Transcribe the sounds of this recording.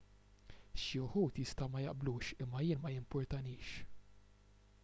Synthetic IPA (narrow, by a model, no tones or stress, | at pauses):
ʃɪʊħuːt̪jɪst̪ɐmɐjɐ̰ʔbluːʃɪmːɐjɪːnmɐjɪmpɔɾt̪ɐniːʃ